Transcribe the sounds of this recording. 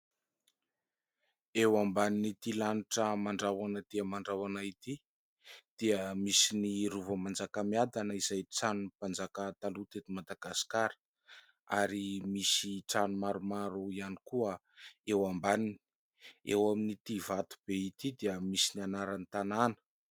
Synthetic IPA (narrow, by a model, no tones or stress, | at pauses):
ewambaninit̪ilaniʈ͡ʂəmaɳɖ͡ʐawanəd̪̥iəmaɳɖ͡ʐawanait̪i | d̪̥iəmisiniɾuvəmand͡zakamiad̪anəiz̥ajt͡sanunpand͡zakat̪alut̪et̪imad̪aɡasi̥kaɾə̥ | a̰ɾimisiʈ͡ʂanumaɾumaɾuianikuə | ewambanini̥ | ḛwaminit̪ivat̪u̥b̥eit̪id̪iəmisinianaɾanit̪ananə̥